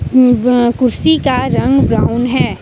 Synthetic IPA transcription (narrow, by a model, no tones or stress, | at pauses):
kʊɾsikaɾɐ̃ŋɡbɾaːʊnɦɛː